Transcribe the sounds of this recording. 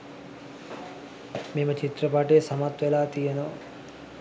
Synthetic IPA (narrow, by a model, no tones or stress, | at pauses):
memət͡ʃit̪ɾɐpaʈesɐmat̪ʋelaːt̪ijenoʋɐ̰